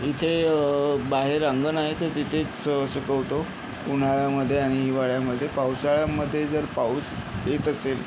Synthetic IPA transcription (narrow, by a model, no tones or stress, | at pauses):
it̪ʰe | baɦeɾəŋɡənaɦet̪əɾt̪it̪ʰe | əsəkəwt̪o | un̤aɭjaməd̪ʱːjeaɽ̃iɦiʋaɭjaməd̪ʱːjepawsaɭjaməd̪ʱːjed͡zəɾpauset̪əsel